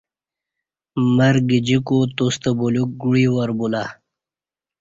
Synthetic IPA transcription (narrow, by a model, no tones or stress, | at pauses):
mɐɾɡid͡ʑikot̪ost̪abuluk̚ɡuɽiwɐɾbula